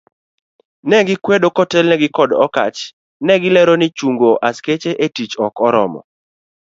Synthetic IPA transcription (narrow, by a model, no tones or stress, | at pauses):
nɛɡɪkwedokɔtɛlnɛɡɪkɔdɔka̰t͡ʃ | nɛɡɪlɛɾɔnɪt͡ʃuŋɡoʔasket͡ʃeʔetit͡ʃɔkɔɾɔ̰mɔ̰